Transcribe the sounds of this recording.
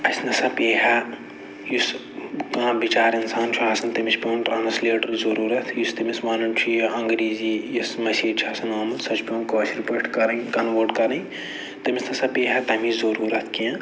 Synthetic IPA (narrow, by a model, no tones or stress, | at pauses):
ɐsʲnɐsɐpeːɦɐ | jus | kãːbit͡ʃaːɾinsaːnt͡ʃʰuaːsɐnt̪ɐmispʲinʈɾaːnɐsleːʈɐlzɐɾuːɾɐt̪ʰjust̪imismaːnɐnt͡ʃʰujɐ̃ŋɡɾiːziːjɐsmɐsiːt͡ʃʰaːsɐnaːmɐlsɐt͡ʃʰpʲõːnkoːsiɾpɐʈkɐɾɐikɐnʋoːɾɖkɐɾɐ̃i | t̪ɐmisnɐsɐpeːɦɐt̪ɐmizɐɾuːɾɐt̪ʰkiã